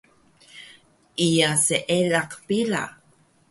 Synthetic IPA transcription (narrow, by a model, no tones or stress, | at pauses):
ʔijaseʔelaqpila̰